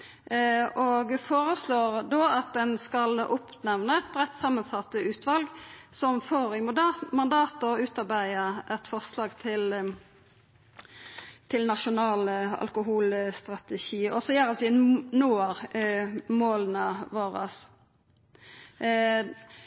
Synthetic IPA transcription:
ʔɔɡfoːʁəsloːʁd̪oːɑt̪̚d̪ɛnskɑlʔʊpnɛʋnəɛt̪̚bʁɛt̪ːsɑːmːənsɑt̪ːəʉːt̪ʰʋɑlɡsɔmfoːʁɪmʊd̪ɑmɑnd̪ɑːt̪ɔʉːt̪ɑʁbæɪəʔɛt̪fɔʁslɑːɡt̪ʰɪl | t̪ʰɪlnɑʃʊnɑːlɑ̰lkʊɦuːlst̪ʁɑt̪ɛʃiːɔsɔjøːʁɑt̪ʋɪnoːʁ | moːlənəʋoːʁə̰s

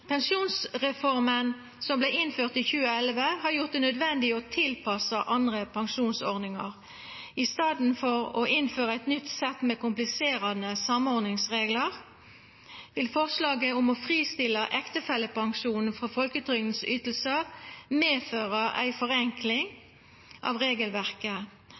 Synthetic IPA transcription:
pʰɛnʂuːnsʁɛfɔʁmən | sɔmblæɪnføːʁt̪ɪçʉːəɛlʋəhɑʁjʊʁt̪̚d̪ɛnœd̪ʋɛnd̪ɪɔt̪ʰɪlpʰɑsəʔɑnd̪ʁəpʰɑŋʃuːnsɔʁnɪŋɑ̰ʁ | ɪst̪ɑːd̪n̩fɔʁɔ̰ʔɪnføːʁəæɪt̪nʏt̪sɛt̪ːmekʊmplɪseːʁɑnəsɑmɔʁnɪŋsʁeːɡləʁ | ʋɪlfɔʁslɑːɡəʊmɔfʁiːst̪ɪləʔɛkt̪əfɛlːəpʰɑŋʃuːnn̩fʁɑfɔlkət̪ʰʁʏŋn̩syːt̪əl̩səmeːføːʁəʔæ̰ɪfɔʁɛŋkʰlɪŋ | ʔɑ̰ʋʁeːɡəlʋæʁkə

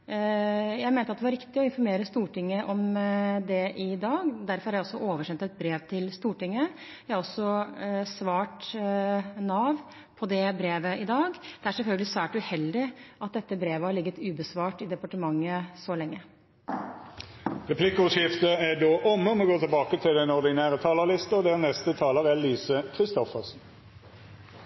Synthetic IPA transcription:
jæɪmeːnɑt̪d̪ɛʋɑɾɪkt̪ɪɔɪnfɔɾmeːɾəst̪uːʈɪŋːəʔɔmd̪ɛʔɪd̪ɑːɡd̪æɾfɔɾhɑɾjæɪɔsːɔʔoːʋəʂɛnt̪ɛt̪̚bɾeːʋt̪ʰɪlst̪uːʈɪŋːə | jæɪhɑɾɔsːɔsʋɑːʈ | nɑːʋ | pʰɔd̪ɛbɾeːʋəʔɪd̪ɑːɡd̪̥ɛæɾʂɛlfœlɡəlɪsʋæːʈʉhɛld̪ɪʔɑt̪̚d̪ɛt̪ːəbɾeːʋəhɑɭɪɡːət̪ʉːbəsʋɑːʈɪd̪ɛpɑʈəmɑŋːəsɔlɛŋːə | ʁɛpʰlɪkəʊʂɪft̪əæɖoːʔɔmːəɔmɔːɡoːt̪ʰɪlbɑːkət̪ʰɪlɛnɔʁd̪ɪnæːʁət̪ʰɑːləlɪst̪əɔd̪ɛːʁnɛst̪ət̪ʰɑːləʁælːyːsəkʰʁɪst̪ɔfəʁsn̩

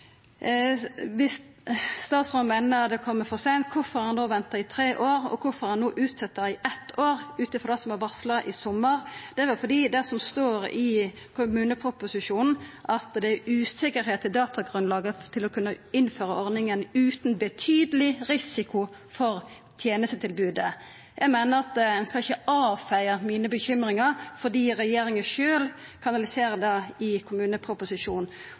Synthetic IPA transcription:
ʋɪsːt̪ɑːt̪sʁoːmæːnəd̪ɛkʰɔmːəfɔsɛnt̪kʰʊfɔɾhɑnoːʋɛnt̪ɑɪt̪ʰɾeːʔoːɾɔ̰kʰʊfɔɾhɑnːoːʔʉːt̪sɛt̪ːəɪʔɛt̪ːoːɾʉːt̪əfɔd̪ɑsɔmɑʋɑslɑʔɪsɔmːəʁd̪̥ɛʋɛfɔd̪iːd̪ɛsɔmst̪oːɾɪ | kʰʊmʉːnəpʰʁʊpʊsɪʂuːnn̩ʔɑt̪d̪ɛæʉːsɪkəɾɦeːt̪ʰːɪld̪ɑːt̪ʰɑɡʁʉnlɑːɡət̪ʰɪlɔkʰʉnːəɪnːføːɾəɔɾd̪ɪŋənʉːt̪n̩bət̪ʰyːd̪əlɪɾɪsɪkʰʊfɔɾ | t̪ʰjeːnəst̪ət̪ʰɪlbʉːd̪ə | jʔæɪmæɪnəɾɑt̪̚d̪ɛnskɑlɪçəɑːfæɪəmiːnəbəçʏmɾɪŋɑʁfɔd̪iːɾɛjeːɾɪŋəʂøːl | kʰɑnɑlɪseːʁəd̪ɑɪkʰʊmʉːnəpʰɾʊpʊsɪʂuːnn̩

